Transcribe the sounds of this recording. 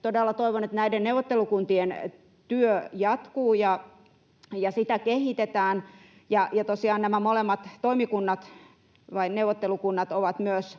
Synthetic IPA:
t̪odelːɑt̪oiʋonet̪næidenneuwʋot̪ːelukunt̪ien | t̪yøjɑt̪kuːjɑ | jɑsit̪ækehit̪et̪æːn | jɑjɑt̪osiɑːnnæmæmolemːɑt̪toimikunːɑt̪ | ʋɑinneuʋːˑot̪ːelukunːɑt̪oʋɑt̪myøs

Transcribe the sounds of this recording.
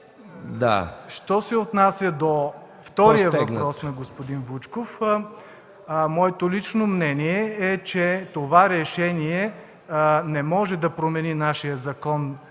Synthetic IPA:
d̪a̰ʃt̪ɔsɛot̪nasʲjəd̪o | ft̪ɔɾijəvɐpɾɔsnɐɡospod̪invut͡ʃkof | mɔɛt̪olit͡ʃnomnɛniɛɛt͡ʃɛt̪ovaɾɛʃɛniɛ | nɛmɔʒɛd̪ɐpɾomɛninaʃijəzɐkɔn

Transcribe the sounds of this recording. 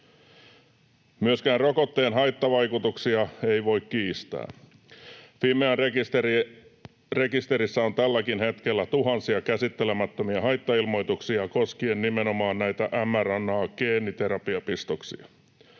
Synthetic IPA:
myøskæːnrokot̪ːeːnɦɑjt̪ːɑʋɑjkut̪uksiɑe̞iʋo̞ikkiːst̪æ̰ː | ʋiːmeærekist̪e | re̞kist̪eɾisːæo̞nt̪ælːækinhe̞t̪kelːæt̪uɦɑnsiɑkæsit̪ːelemæt̪ːomiɑɦɑjt̪ːɑilmo̞jt̪uksiɑkoskienːnimeno̞mɑːnnæjt̪æʔæmːærɑnːɑːkeːnːit̪eɾɑpiɑpist̪oksḭɑ̰

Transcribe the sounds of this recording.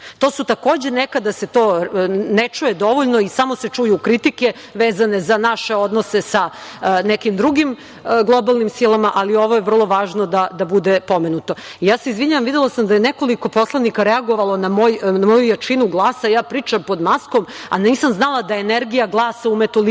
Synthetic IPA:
t̪oːsut̪ako̞ːd͡ʑenekad̪ase̞t̪oːnet͡ʃujed̪o̞ʋoʎnoisamoset͡ʂujukɾit̪ike | ʋeːzanezanaʃeo̞d̪nosesanekimd̪ɾuɡim | ɡlˠo̞balˠnimsilˠamaʔalio̞ʋojeʋr̩lˠo̞ʋaːʒnod̪ad̪abud̪epo̞menut̪o̞ijaːse̞izʋiɲaʋamʋid̪elˠasamd̪ajenekoliko̞po̞slˠanikaɾɛaɡo̞ʋalˠonamojnamo̞jujat͡ʂinuɡlˠaːsajaːpɾiːt͡ʃampo̞d̪maskoma̰niːsamznalˠad̪aeeneɾɡijaɡlˠaːsaumet̪ol

